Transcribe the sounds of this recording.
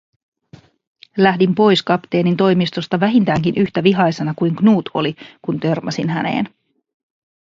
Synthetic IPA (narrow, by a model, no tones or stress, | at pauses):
læhdimpo̞jskɑpt̪e̞ːnint̪o̞jmist̪o̞st̪ɑʋæɦint̪æːŋkinʔyçt̪æʋiɦɑjsenɑkujŋknuːt̪ʰo̞̰likunt̪ø̞rmɑsinɦænḛːn